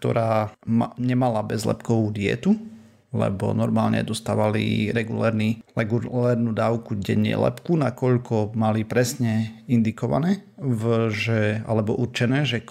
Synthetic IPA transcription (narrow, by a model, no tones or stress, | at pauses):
k̚t̪ɔ̰ɾaːmɲɛmalabɛzlɛ̰pkɔʋuːd̪ɪɛ̰t̪u | lɛ̰bɔ̰nɔɾmaːlɲɛ̰d̪ɔst̪aːʋalḭɾɛɡulɛːɾnilɛɡulɛːɾnuːd̪aːʊkuɡɟɛ̰ɲɛ̰lɛ̰pkunakɔʎkɔmalipɾɛsɲɛind̪ikɔʋa̰nɛːvʒɛa̰lɛbɔʔuɾt͡ʃɛnɛːʒɛ